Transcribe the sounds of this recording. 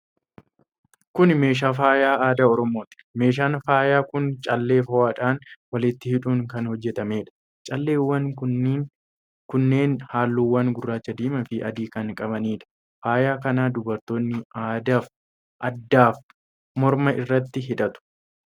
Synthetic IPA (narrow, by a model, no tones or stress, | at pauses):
kʊnme̞ːʃ̬aːfaːjaːaːd̪aɔɾɔmo̞ːt̪ɪ̥me̞ːʃ̬aːnfaːjaːkʊnt͡ʃʼɐlːe̞ːfɐwaːᶑaːnwɐlɪt̪ːɪhɪᶑuːŋkɐnhɔd͡ʒːɛt̪ɐme̞ːᶑɐ̥ | t͡ʃʼɐlːe̞ːwːɐn | kʊnːe̞ːnhaːlːuːwːɐŋɡʊrːaːt͡ʃːɐd̪iːmɐfɪʔɐd̪iːkɐŋkʼɐβɐniːᶑɐ̥ | faːjaːkɐnaːd̪ʊbɐɾt̪o̞ːnːɪaːd̪aːf | ʔɐd̪ːaːf | mɔɾmɐʔɪrːɐt̪ːɪɦɪᶑɐt̪ʊ̥